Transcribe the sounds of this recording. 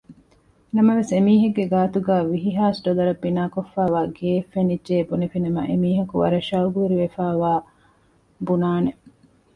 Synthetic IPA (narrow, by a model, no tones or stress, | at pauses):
nɐmɐʋesemiːɦɐɡːeɡaːt̪uɡæːʋiɦiɦaːsɖolɐɾɐbːinaːkofːaːʋaːɡeːfːenidʒeːbunifinɐmɐʔemiːɦɐkuʋɐ̰ɾɐʃɐuɡuʋeɾiʋefaːʋaː | bunaːne